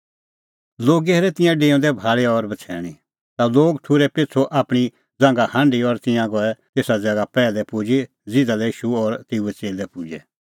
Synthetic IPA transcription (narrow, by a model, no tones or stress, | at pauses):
loːɡɛɾɛt̪ɪ̃jãɖẽːʊ̃d̪ɛbʱaːɭɛɔɾbɐt͡sʰɛ̰ːɽ̃i | t̪aloːɡʈʰʊɾɛpɪt͡sʰoʔaːpɽ̃i | d͡zãŋɡahãɳɖiɔɾt̪ɪ̃jãɡɔɛt̪eːsad͡zɐɡapɛːlɛpʊd͡ʒe | d͡zɪd̪alɛiːʃuɔːɾt̪euɛt͡seːlɛpʊd͡ʒɛ